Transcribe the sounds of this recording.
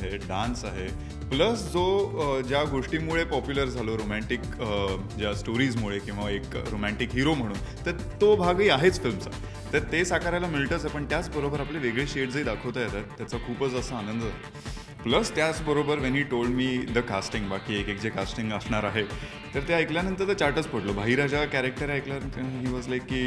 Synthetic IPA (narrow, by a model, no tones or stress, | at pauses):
ɦeɖãnsaɦe | pləsd͡zod͡ʑjaɡoʂʈiːmuɭepɔpjuləɾd͡zʱaloɾomæ̃ɳʈik | d͡ʑjasʈoɾiːd͡zmuɭekĩʋaekɾomæ̃ɳʈikɦiɾom̤əɽ̃uːn | t̪əɾ | t̪obʱaɡiːaɦet͡sfilmsa̰ | t̪əɾt̪esakaɾjalamilʈəsaɦepəɳt̪jat͡sbəɾobəɾapleʋeɡɭeɕeʈ̚d͡zəid̪akʰəʋt̪ajet̪aɾt̪jat͡sakʰuːpət͡səsəanənd̪əd͡zʱal | pləst̪jat͡sbəɾobəɾʋɛnɦiːʈolɖmiːd̪əkasʈiŋɡbakiːekekd͡ʑekasʈiŋɡəsɳaɾaɦe | t̪əɾt̪jaekljanənt̪əɾt̪əɾt͡ɕaɾʈət͡spəɽlobʱaɦiɾad͡ʑakæɾek̚ʈəɾjaekljaɦiːʋɔd͡zlajkːiː